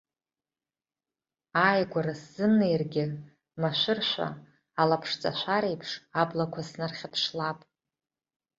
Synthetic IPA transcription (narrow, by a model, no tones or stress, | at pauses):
ajɡʷaɾasːɨmnejrɡʲɪ | maʃʷɪrʃʷa̰ː | lapʰʂt͡sʼa̰ʃʷaɾejpʰʂablakʷʰasnarχʲapʰʂlapʼ